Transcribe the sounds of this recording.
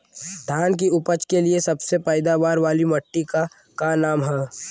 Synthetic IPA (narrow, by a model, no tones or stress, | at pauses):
d̪ʱaːnk̬iʊpət͡ʃkeliesɐbsepəɪd̪aʋaːɾʋaːlimɐʈːika | kanaːmɦɛː